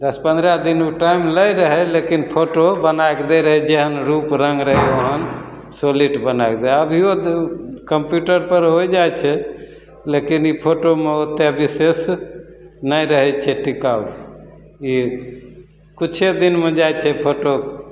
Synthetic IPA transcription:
d̪əspə̃nd̪ɾad̪inuʈaimləjɾəɦɛlekinpʰoʈobənajkd̪eɾəɦɛd͡ʒeɦənɾupɾəŋɡɾəɦɛoɦən | soliʈbənaekd̪eəbʱio | kəmpjuʈəɾpəɾɦojd͡ʒajt͡ʃʰɛ | lekinipʰoʈomeot̪ebises | nəjɾəɦɛt͡ʃʰɛʈikab | i | kut͡ʃʰed̪inmed͡ʒajt͡ʃʰɛpʰoʈo

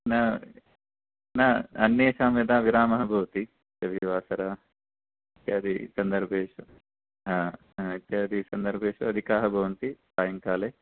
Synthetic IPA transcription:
na | naːɐnːjeːʃaːmjɐd̪aːʋiɾaːmɐɦɐbʱɐʋɐt̪i | ɐbʱiʋaːsɐɾaː | ɐt̪jaːd̪isɐnd̪ɐɾbʱeːʃɐ | ɦa | ɐt̪jaːd̪isɐnd̪ɐɾbʱeːʃɐɐd̪ʱikaːɦɐbʱɐʋɐnt̪isaːjɐŋkaːleː

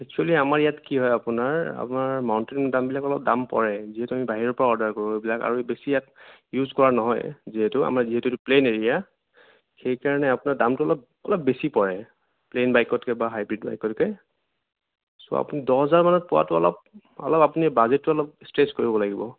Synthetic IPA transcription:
ɛk̚t͡ʃualiamaɹijatkiɦɔjapʊnaɹa̰pʊnaɹmaʊntenmdambilakɔlɔp̚dampɔɹɛziɦɛtʊamibaɦiɹɔɹpɔɹaɔɹdaɹkoɹuebilaka̰ɹubesijatjuzkɔɹanɔɦɔ̰jziɦɛtʊa̰maɹziɦɛtʊtʊpleneɹija | xejkaɹɔnɛapʊnaɹdamtʊɔlɔp̚ | ɔlɔp̚besipɔɹɛ | plenbajkɔtkɛbaɦajbɹidba̰jkɔtkɛ | sɔ̰a̰pʊnidɔɔzaɹmanɔt̚pɔwa̰tʊɔ̰lɔ̰p̚ | ɔ̰lɔpapʊnibazet̚ːʊɔlɔp̚stɹeskoɹibɔlaɡibɔ̰

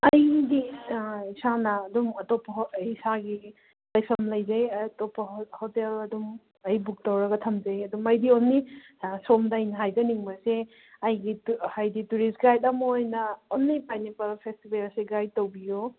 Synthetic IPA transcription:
ɐjdiisanɐːdumɐtɔpːɐhisaɡi | lɐjpʰɐmlɐjzajtɔpːahotelɐdum | ɐjbuk̚tɐwɾɐɡɐtʰɐmd͡ʒɐjɐdumɐjdionːi | somdajnɦajdɐniŋbɐse | ɐjɡihajdituɾisɡajt̚amojnɐonːipajnipɐlpʰestibelseɡaj̚towbijo

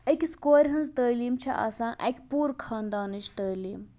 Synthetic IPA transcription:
əkʲskoːɾʲɦɐnd͡zt̪əːliːmt͡ʃʰɐ̰ʔa̰sãːʔɛ̰kʲpuːɾkʰaːnd̪aːnɨt͡ʃʰt̪əːliːm

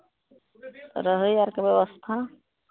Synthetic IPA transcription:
ɾəɦəjaɾkebjeβəst̪ʰa

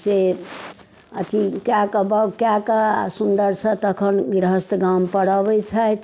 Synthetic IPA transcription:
se | ət̪ʰikjakəbəkjakəasund̪əɾsə̃t̪əkʰənɡɾəɦəst̪ɡampəɽəbɛt͡ʃʰajt̪

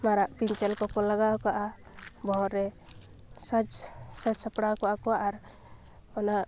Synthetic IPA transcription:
maɾaʔpiɲt͡ʃɛlkɔkɔlaɡawkaʔa | bɔɦɔɾɛ | sad͡ʒsad͡ʒsapɽakɔʔakɔwaʔaɾ | ɔnaʔ

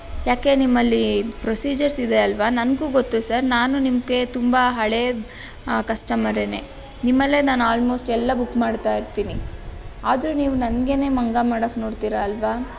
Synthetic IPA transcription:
jaːke̞nimːɐlːipɾosiːd͡ʒɐɾsid̪eɐlʋanɐnɡuːɡot̪ːusɐɾnaːnunimɡe̞t̪umbaɦɐɭe | kɐʂʈɐmɐɾene | nimːɐlːe̞naːnuaːlmo̞ːsʈɛlːɐbukːmaːɖt̪aːiɾt̪iːniaːd̪ɾuniːʋunɐnɡe̞ne̞ːmɐŋɡamaːɽɐkno̞ːɽt̪iːɾaːlʋaː

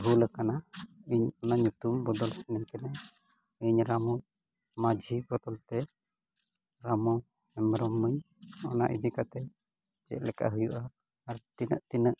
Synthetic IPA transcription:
bulɛkanaiɲɔnaɲut̪umbɔd̪ɔlsɛnɛmkɛnɛ | iɲɾamɔ | mad͡ʒʱibɔt̪ɔlt̪ɛ | ɾamɔ | ɛmɾɔmːəɲ | ɔna̰ʔḭd̪ikat̪ɛ | d͡ʒɛ̰ʔ̪̚lɛka̰ʔɦujuʔaː | ɾt̪inə̰ʔt̪inəʔ

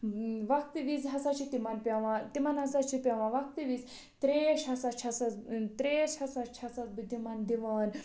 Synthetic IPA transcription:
ʋɐk̚t̪ɨʋizɦɐsat͡ʃʰit̪imɐnpʲaʋãt̪imanɦɐsat͡ʃʰipʲaʋãʋɐk̚t̪ɨʋiz | t̪ɾeʃɦɐsat͡ʃʰɐsat͡st̪ɾeʃhɐsat͡ʃʰɐsat͡sbɨd̪imand̪iʋaːn

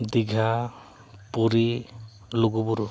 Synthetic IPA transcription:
d̪iɡʱa | puɾi | loɡubuɾu

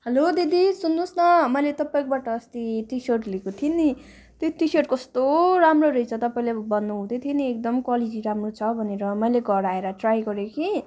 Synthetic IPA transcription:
hʌlod̪id̪isunːusnʌmʌjlet̪ʌpaĩkobaʈʌːst̪iʈisʌrʈlikot̪ʰini | t̪joʈisʌʈ̚kʌst̪oɾamroɾʌjt͡sʰʌt̪ʌpaĩlebʌnːuɦũd̪et̪ʰieniek̚d̪ʌmkwalid͡ziɾamrot͡sʰʌbʱʌneɾʌmʌjleɡʌɽaeɾʌʈrajɡʌɾjekʰi

